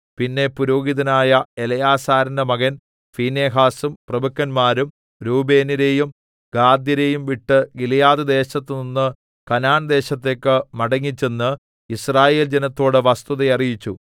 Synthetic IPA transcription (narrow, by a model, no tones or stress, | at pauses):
pinːe̞puɾoːɡiðɐnaːjɐelɐjaːsaːɾɐndɐmɐɣɐn | fiːne̞ːɦaːsumprɐbɐkːɐnmaːɾum | ɾuːbe̞ːniɾeːjum | ɡaːd̪jɐɾejumʋiʈːɨɡilijaːðɨd̪e̞ːɕɐt̪ːɨninːɨ | kɐnaːnd̪e̞ːɕɐt̪ːe̞ːkːɨmɐɽɐŋːit͡ɕːe̞nːɨ | israːje̞ːld͡ʑenɐt̪ːo̞ːɽɨʋɐst̪uðɐjɐrijit͡ɕːu